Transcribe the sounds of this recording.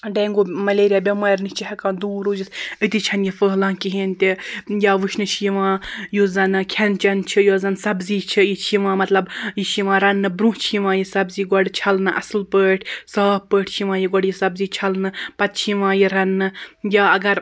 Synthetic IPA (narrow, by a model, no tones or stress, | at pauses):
ɖẽːŋɡoːmɐleːɾijaːbʲɐmaːɾnit͡ʃiɦɐkãːnd̪uːɾoːd͡ʒisɨt̪it͡ʃʰɐnjifəːlãːkiɦeːnt̪ʲijaːʋɨʃnɨʃiʋãːjozɐnɨkʲʰɐnt͡ʃɐnt͡ʃʰijozɐnsɐbziːt͡ʃʰijit͡ʃʰiʋãːmɐt̪lɐbjiʃiʋãːɾɐnːɨbɾũt͡ʃʰiʋãːjisɐbziːɡɔɖt͡ʃʰɐlnɨʔɐ̰slpəːʈʰsaːh̚pəːʈʰt͡ʃʰiʋãːjiɡɔɽjisɐbziːt͡ʃʰɐlnɨpɐt̪̚t͡ʃʰiʋãːjiɾɐnːɨjaːɐɡɐɾ